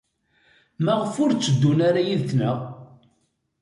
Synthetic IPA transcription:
mæʁəfʊɾt͡sːəd̪ːunaɾajiðθnəʁ

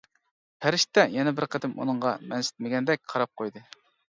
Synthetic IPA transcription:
pʰæɾɪʃt̪ːɛjɛnɛbɪɾqəd̪ɪmṵnɨɴʁɑmɛnsɪ̥t̪̚mɪɡʲɛnd̪ɛk̚ʲqʰɑɾɑp̚qʰojd̪ɨ

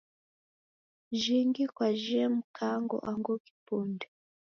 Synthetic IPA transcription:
ʒiŋɡikwaʒɛmukʰaŋɡɔ̰ʔaŋɡoki̥puːnde

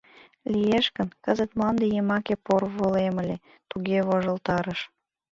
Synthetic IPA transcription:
lijeʃkənkəzət̪mlɑnd̪ejemɑkeporβolemə̆lʲe | t̪uɣeβoʒə̆lt̪ɑɾəʃ

